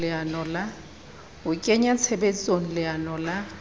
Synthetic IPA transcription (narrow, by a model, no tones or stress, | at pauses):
ɪanɔla | ʊkʼɛɲat͡sʰɛbɛt͡sʼonilɪanɔla